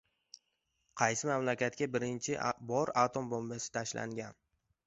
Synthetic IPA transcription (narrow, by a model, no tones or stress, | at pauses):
qʰɑjsɪmamlakʲat̪kʲabɪɾɪnt͡ʃʰɪbɒɾat̪ʰombombasɪ̥t̪ʰaʃla̰ŋɡʲan